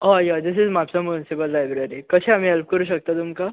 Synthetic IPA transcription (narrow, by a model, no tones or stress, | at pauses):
ajad̪ɪsɪzmapsãmunsɪpəlːajbɾeɾikət͡ʃʰẽamiɦɛlp̚kəɾuʃ̬ək̚t̪at̪umka